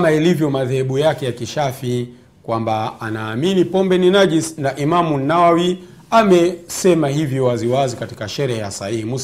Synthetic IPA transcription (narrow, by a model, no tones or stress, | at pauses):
mailivjɔmaðɛhɛɓujakɛjakiʃafi | kwambaːnaːminipɔmbɛninaʄisnaʔimamunnawawi | amɛsɛmaɦivjɔwaziwazikati̥kaʃɛɾɛhɛjasaihimus